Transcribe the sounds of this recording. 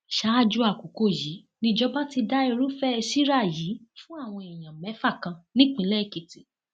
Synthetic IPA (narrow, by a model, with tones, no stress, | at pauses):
ʃa˦a˦˨d͡ʒu˧˦a˦˨ko˨ko˦˨ji˨˦ | nĩ˧d͡ʒɔ˦ba˦ti˧da˦e˧ɾu˦fɛ˦e˧si˦ɾa˦˨ji˨˦fũ˦a˦˨w̃ɔ̃˧i˨j̃ã˨mɛ˨˦fa˦˨kã˧nĩ˦k͡pĩ˧˦lɛ˦i˦˨ke˨ti˨